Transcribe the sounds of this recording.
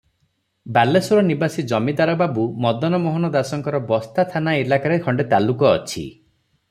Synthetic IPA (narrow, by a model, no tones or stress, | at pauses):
balesuɾɔnibasid͡ʒɔmid̪aɾɔbabumɔd̪ɔnɔmɔɦɔnɔd̪asɔŋkɔɾɔbɔst̪ʰat̪ʰanaelakaɾekʰɔɳɖet̪alukɔːt͡ʃʰḭ